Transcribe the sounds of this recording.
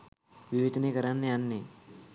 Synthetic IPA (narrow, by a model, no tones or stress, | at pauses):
ʋɪʋed̪nekəɾanːeanːe